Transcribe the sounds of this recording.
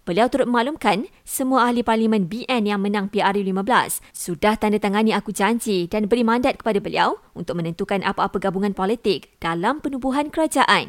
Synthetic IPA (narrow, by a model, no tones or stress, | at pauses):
b̥əliawt̪uɾʊt̪̚məmaʔlumkan | səmuaaɦliparlimɛ̃nbiʔɛnjaŋmə̃nãŋpiarjulimãbəla̰ssudaht̪andat̪aŋanĩakud͡ʒaɲd͡ʒidanbəɾimãndat̪̚kə̥padabəlḭawunt̪ʊk̚mə̃nə̃nt̪ukanʔapaːpaɡabuŋanpɔlit̪ɪk̚d̥alampənubuɦankəɾad͡ʒaʔan